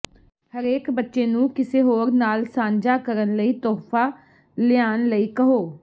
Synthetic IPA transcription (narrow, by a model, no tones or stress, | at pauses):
həɾeːkbətːʃeːnũːkɪseːɦoːɾnaːlsãːɲd͡ʒaːkəɾənləiːt̪ɔːpʰaː | lɪjaːnləiːkəɦoː